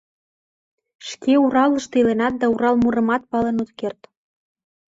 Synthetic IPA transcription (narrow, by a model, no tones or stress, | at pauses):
ʃkeuɾɑlə̆ʃt̪ilenɑt̪̚d̪ɑuɾɑlmuɾə̆mɑt̪̚pɑlenut̪kert̪